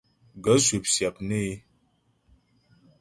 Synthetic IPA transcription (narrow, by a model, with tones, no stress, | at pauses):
ɡə˨˦su˨p̚sja˨p̚ne˦